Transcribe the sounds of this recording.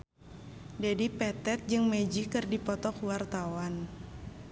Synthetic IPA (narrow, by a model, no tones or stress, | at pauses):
d͡ʒadipɛt̪ɛt̪̚d͡ʒɨŋmɛd͡ʒikɨrdipɔt̪ɔkuwart̪awan